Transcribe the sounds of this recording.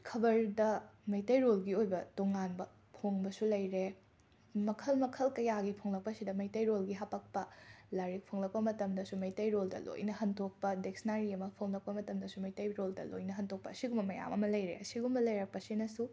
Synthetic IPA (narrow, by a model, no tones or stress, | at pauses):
kʰɐbɐɾdɐmɐjtɐjɾolɡiojbɐtoŋanbɐ | pʰoŋbɐsulɐjɾe | mɐkʰɐlmɐkʰɐlkɐjaɡipʰoŋlɐk̚pɐsidɐmɐjtɐjɾolɡiɦapɐk̚pɐlaɾik̚pʰoŋlɐk̚pɐmɐtɐmdɐsumɐjtɐjɾoldɐ̰lo̰jnɐɦɐntʰok̚pɐdeksnaɾiɐmɐpʰoŋlɐk̚pɐmɐtɐmdɐsumɐjtɐjɾoldɐ̰lo̰jnɐɦɐntʰok̚pɐɐsiɡumbɐmɐja̰mɐ̰mɐlɐjɾḛɐsiɡumbɐlɐjɾɐk̚pɐsinɐsu